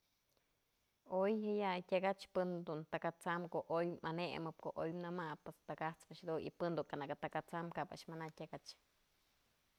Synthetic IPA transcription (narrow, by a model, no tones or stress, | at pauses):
ojhɨjakʲaɡat͡ʃpɨnd̪unt̪akat͡samkoʔojmaneʔmɨp̚koʔojmnɨmapːest̪akat͡smɨʃd̪unḭpɨnd̪uŋkanakat̪akat͡samkaba̰ʔʃmanakʲakat͡ʃ